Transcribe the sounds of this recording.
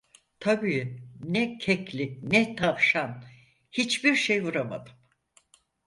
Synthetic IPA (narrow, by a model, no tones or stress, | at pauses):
t̪ʰabiːnɛcʰɛclʲinɛt̪ʰafʃan | hit͡ʃbiɾʃejvuɾama̰d̪ɯm